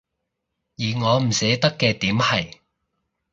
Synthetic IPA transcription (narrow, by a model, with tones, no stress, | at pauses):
jiː˨˩ŋɔː˨˧m̩˨˩sɛː˨˥t̪ɐ˥kːɛː˧t̪iː˨˥mhɐ˨j